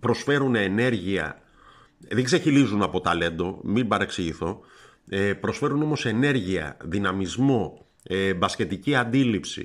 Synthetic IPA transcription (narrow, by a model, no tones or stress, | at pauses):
pɾo̞sfe̞ɾunene̞ɾʝiɐ̰ | ðeɡzeçilizunɐpo̞t̪ɐle̞nd̪o̞mibɐɾe̞ksiʝiθo̞ | epɾo̞sfe̞ɾuno̞mo̞se̞ne̞ɾʝiɐ̰ðinɐmizmo̞ | ebɐsce̞t̪iciɐnd̪ilipsḭ